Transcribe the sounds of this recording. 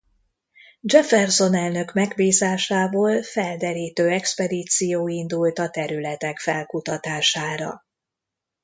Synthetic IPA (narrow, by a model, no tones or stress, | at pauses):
d͡ʒɛfɛrso̞nɛlnø̞kmɛɡbiːzaːʃaːvoːlfɛld̪ɛɾiːt̪øːɛkspɛd̪iːt̪sijoːind̪ult̪ɒt̪ɛɾylɛt̪ɛkfɛlkut̪ɒt̪aːʃaːɾɒ̰